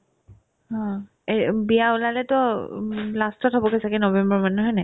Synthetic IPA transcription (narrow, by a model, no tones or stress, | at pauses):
hɔ̃ | ebijaolalɛtɔ | lastɔtɦɔbɔkɔsakɛnɔbɛmbɔɹmanuɦɔjnɛ